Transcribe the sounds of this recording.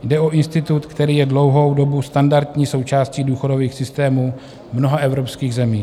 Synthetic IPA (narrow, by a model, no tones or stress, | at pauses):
jdɛo̞ʔɪnst̪ɪt̪ut̪kt̪ɛɾiːjɛdlo̞wɦo̞wdo̞bust̪andaɾd̪ɲiːso̞wt͡ʃaːsciːduːxo̞do̞viːxsɪst̪ɛːmuː | mno̞ɦaʔɛvɾo̞pskiːɣzɛmiː